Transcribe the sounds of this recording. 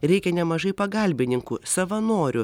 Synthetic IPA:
ɾʲɛɪkʲɛnʲɛmɐʒɐɪpɐɡɐlʲbʲɪnʲɪŋkuːsɐʋɐnoːɾʲʊ

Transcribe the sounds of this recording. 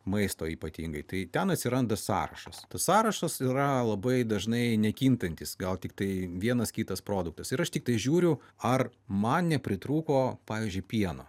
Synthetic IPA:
mɐɪst̪oːiːpɐt̪ʲḭːŋɡɐɪt̪ɐɪt̪ʲɛnɐt̪ʲsʲɪɾɐnd̪ɐsɑ̰ːɾɐ̰ʃɐst̪ɐsːɑːɾɐʃɐsiɾɐlˠɐbɐɪd̪ɐʒnɐɪnʲɛkʲint̪ɐnʲt̪ʲɪsɡɐlˠt̪ʲɪk̚t̪ɐɪʋʲiɛnɐskʲiːt̪ɐspɾoːd̪ʊkt̪ɐsɪɾɐʃt̪ʲɪk̚t̪ɐɪʒʲuːɾʲʊɐrmɐnnʲɛpʲɾʲɪt̪ɾuːkoːpɑːʋʲiːzʲd͡ʒʲʊɪpʲiɛno̰ː

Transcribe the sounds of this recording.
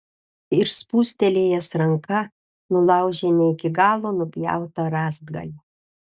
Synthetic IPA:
ɪɾspuːsʲt̪ʲɛlʲeːjɛsɾɐŋkɐ | nʊlˠɑˑʊʒʲenʲɛɪkʲɪɡɑːlˠoːnʊbʲjæ̰ˑʊt̪ɐɾɑːzd̪ɡɐ̰lʲi

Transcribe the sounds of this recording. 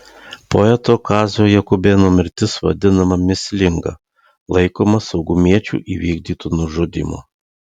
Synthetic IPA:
poɛt̪oːkɑːzʲoːjɛkʊbʲeːnoːmʲɪɾʲt̪ʲɪsʋɐ̰d̪ʲɪnɐmɐmʲɪsʲlʲɪŋɡɐ̰ | lˠɐɪkoːmɐsɒʊɡʊmʲiɛt͡ʃʲṵːʔiːʋʲiːɡʲd̪ʲiːt̪uːnʊʒod̪ʲḭːmo̰ː

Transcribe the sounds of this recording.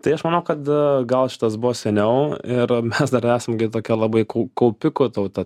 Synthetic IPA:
t̪ɐɪɐʃmɐːnɐʊkɐt̪ɡɐlˠʃʲɪ̥t̪ɐsbʊʋoːsʲɛnʲɛʊɪɾmʲɛsd̪ɐɾæːsɐmɡʲɪt̪oːkʲɛlˠɐbɐɪkɐʊkɐʊpʲɪkʊt̪ɐʊt̪ɐ

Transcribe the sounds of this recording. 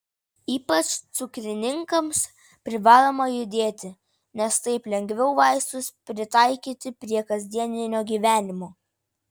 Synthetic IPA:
iːpɐt͡ʃt̪sʊkɾʲɪnʲɪŋkɐms | pʲɾʲɪʋɑːlˠoːmɐjʊd̪ʲeːt̪ʲɪ | nʲɛst̪ɐɪplʲɛŋʲɡʋʲɛʊʋɑɪst̪ʊspʲɾʲɪt̪ɑɪkʲiːt̪ʲɪpʲɾʲiɛkɐzʲd̪ʲiɛnʲɪnʲoːɡʲiːʋʲæːnʲɪmoː

